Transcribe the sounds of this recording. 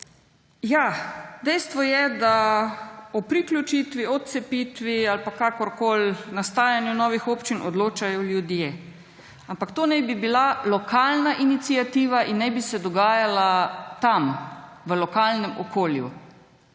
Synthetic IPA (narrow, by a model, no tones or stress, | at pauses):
jad̪ɛjst̪ʋɔjɛd̪a | ɔpɾiklʲut͡ʃiːt̪ʋiɔt̪̚sɛpiːt̪ʋialpakakɔɾkoːlnast̪aːjanjunɔːʋixopt͡ʃinɔd̪loːt͡ʃajɔljud̪je | ampakt̪oːnɛjbibilalɔkaːlnaʔinit̪siat̪iːʋaʔinːɛjbisɛd̪ɔɡaːjalat̪am | ʋəlɔkaːlnɛmɔkʰoːljṵ